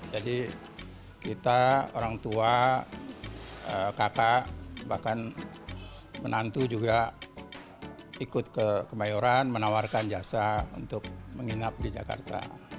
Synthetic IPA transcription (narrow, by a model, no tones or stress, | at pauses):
d͡ʒadi | kit̪ao̰ɾaŋt̪ua | əkakaʔbahkan | mənant̪ud͡ʒuɡa | ikʊt̪̚kəkəmajuɾanmənawarkand͡ʒasaṵnt̪ʊk̚məŋiŋap̚did͡ʒa̰ka̰rt̪a̰